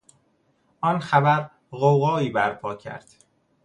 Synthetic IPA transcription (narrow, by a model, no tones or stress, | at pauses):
ʔɒːnxæbæɾ | ɣowɣɒːiːbæɾpʰɒːcʰæ̰ɾd̪̥